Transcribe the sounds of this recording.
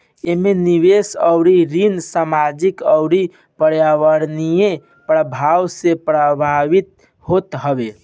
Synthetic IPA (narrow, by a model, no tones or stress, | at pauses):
emeniβesəʊɾiɾinsamad͡ʒikəʊɾi | pəɾjaʋəɾnije | pɾəbʱawsepɾəbʱaʋit̪̚ | ɦot̪ɦəbe